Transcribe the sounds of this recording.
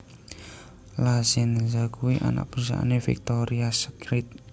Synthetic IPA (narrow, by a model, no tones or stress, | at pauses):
lazɪnzakuwiʔa̰na̰ʔ̚bɾusa̰ʔa̰nefḭk̚t̪oɾiasəkɾit̪̚